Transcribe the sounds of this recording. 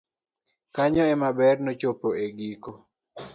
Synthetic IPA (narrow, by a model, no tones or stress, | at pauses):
kaɲɔɛmabɛrnot͡ʃopoeɡiko